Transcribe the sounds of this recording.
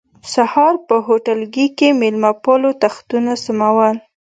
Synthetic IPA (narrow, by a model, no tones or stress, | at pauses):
sahɑɾpəɦoʈalɡikemelmapɑlot̪axt̪unasəmawəl